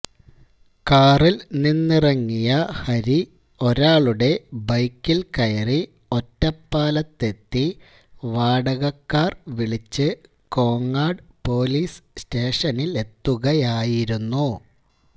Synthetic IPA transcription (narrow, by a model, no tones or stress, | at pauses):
kaːrilninːirɐŋːijɐhɐɾi | o̞ɾaːɭuɽe̞bɐjkːilkɐjɐri | o̞tːɐpːaːlɐt̪ːe̞t̪ːi | ʋaːɽɐɣɐkːaːrʋiɭit͡ɕːɨ | ko̞ːŋːaːɖpo̞ːliːssteːʂɐnile̞t̪ːuɣɐjaːjiɾunːu